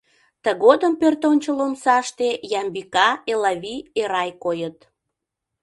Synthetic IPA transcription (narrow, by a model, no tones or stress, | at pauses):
t̪əɣod̪əmpørt̪onʲt͡ɕəlomsɑʃt̪ejɑmbikɑelɑβieɾɑjkojət̪